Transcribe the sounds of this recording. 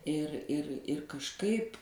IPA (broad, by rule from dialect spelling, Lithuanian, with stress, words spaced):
ɪr ɪr ɪr kɐʃˈkɐɪp